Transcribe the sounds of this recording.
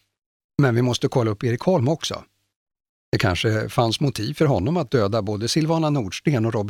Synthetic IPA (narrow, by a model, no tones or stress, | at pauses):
mɛnvɪmɔst̪əkʰɔlːaɵpːeːɾɪkhɔlmɔksɔ̰ | d̪̥ɛkʰa̰nʂəfansmʊt̪ʰiːvfœɾɦɔnːɔmat̪̚d̪øːd̪aboːd̪əsɪlvɑːnanuːɖʂʈeːnɔɾɔb